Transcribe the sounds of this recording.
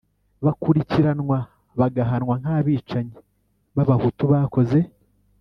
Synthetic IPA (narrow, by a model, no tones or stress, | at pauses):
βakuɾiciɾanwa | βaɡaɦanwaŋ̥haːβiːt͡ʃaɲi | βaβahutuβaːko̞ze̞